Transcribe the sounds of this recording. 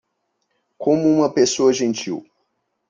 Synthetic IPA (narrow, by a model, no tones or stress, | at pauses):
kõmʊũmɐpesoɐʒẽnt͡ʃḭw